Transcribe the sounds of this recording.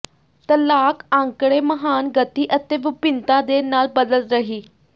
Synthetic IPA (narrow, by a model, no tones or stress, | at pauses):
t̪əɾlakãŋkɽeməɦaːnɡət̪iʔət̪eʋupint̪ad̪enaːlbəd̪əlt̪ɾəɦiː